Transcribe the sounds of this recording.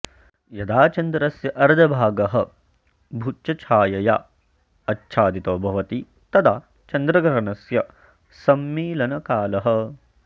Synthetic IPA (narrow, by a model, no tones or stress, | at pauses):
jɐd̪aːt͡ʃɐnd̪ɾɐsjɐʔɐɾd̪ʱɐbʱaːɡɐɦɐ̆ | bʱutːt͡ʃɐt͡ʃʰaːjɐja | ɐtːʃʰaːd̪it̪oːbʱɐʋɐt̪i | t̪ɐd̪aː | t͡ʃɐnd̪ɾɐɡɾɐɾɐnɐsjɐ | sɐmːiːlɐnɐkaːlɐɦɐ̆